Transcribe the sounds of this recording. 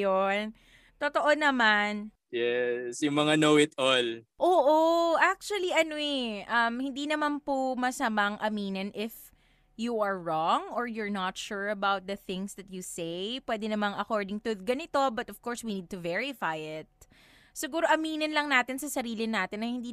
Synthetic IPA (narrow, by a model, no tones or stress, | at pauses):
on | t̪ot̪oʔonɐman | jɛsjʊŋmɐŋanowɪt̪ol | ʔoːʔoʔak̚t͡ʃuɐliʔɐnoɛʔɐmhɪnd̪inɐmanpomɐsɐmaŋʔɐmiːnɐnʔɪf | juʔɐɹːɔŋɔɹjʊɹnɐt̪ʃuɹɐbawt̪̚d̪ɐθɪ̃ŋsd̪ɐt̪̚jusejpwɛːd̪ɛnɐmaŋɐkoɹd̪ɪŋt̪uɡɐnɪt̪o̞bɐt̪ɔv̥koɹswiniːd̪̚t̪ʊvɛɹɪfajɪt̪̚ | sɪɡuːɾoʔɐmiːnɐnlɐŋnaːt̪ɪnsɐsɐɾiːlɪnaːt̪ɪnːɐhɪnd̪i